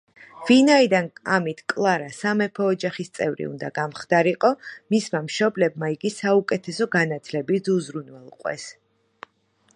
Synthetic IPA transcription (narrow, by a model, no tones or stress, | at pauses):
vinaid̪anamit̪ʰkʼlˠaɾasamɛpʰɔːd͡ʒaχist̪sʼɛvɾḭṵnd̪a̰ɡamχd̪̥aɾiqʼɔmismamʃɔblɛb̚maiɡisaukʼɛt̪ʰɛsɔɡanat̪ʰlɛbid̪uzɾunwɛlˠqʼwɛ̰s